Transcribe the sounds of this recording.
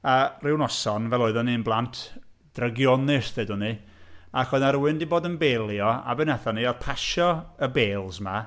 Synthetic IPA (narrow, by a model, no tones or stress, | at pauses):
arɪwnɔsɔnvɛlˠoːɨðɔninblˠantʰ | d̥rəɡjɔnɪsðedʊni | akɔnaɾuːɨndiboːdənbeːlˠjɔa̰bɨnɛθɔniɔrpʰaʃɔəbeːlˠzma